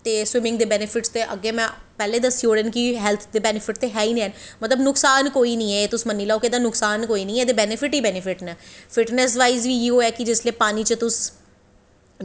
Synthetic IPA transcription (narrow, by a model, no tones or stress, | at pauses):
t̪eːswɪmɪ̃ŋɡ̚d̪eːbɛːnɪpʰɪʈst̪eːʔəɡːeːmɛ̃ːpɛːleːd̪əsːioːɾəːnkiɦɛːlt̪ʰd̪eːbɛːnɪpʰɪʈ̚t̪eːɦɛːiːnẽɛnmət̪ləbnʊksaːnkoːiːnĩːɛːeːt̪ʊsmənːiːlaːoked̪aːnʊksaːnkoːiːnĩːɛeːd̪ebɛːnɪpʰɪʈiːbɛːnɪfʰɪʈnɛːfɪʈnɛs̬ʋaːizʋiːiːoːɛːkɪd͡ʒɪsleːpaːniːt͡ʃət̪ʊs